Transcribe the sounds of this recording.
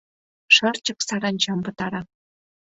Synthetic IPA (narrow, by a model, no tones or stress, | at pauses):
ʂɤ̆rt͡ɕɤ̆ksɑɾɑnʲt͡ɕɑmpɤ̆t̪ɑɾɑ